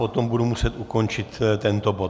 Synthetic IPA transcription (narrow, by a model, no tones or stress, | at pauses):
ot̪o̞mbudumusɛt̪ʔuko̞nt͡ʃɪt̪t̪ɛnt̪o̞bo̞t̪